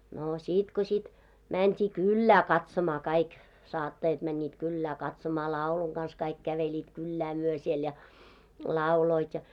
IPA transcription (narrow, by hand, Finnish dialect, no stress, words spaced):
no siˑt ko sʲit mæntʲiː kylːæː kɑtsomɑː kɑik sɑːtːɑjɑt mænʲːiːt kylːæː kɑtsomɑː lɑˑuluŋ ɡ̊ɑns kɑik kæʋelʲiːt kylːæ myø siel jɑ lɑˑuloit jɑ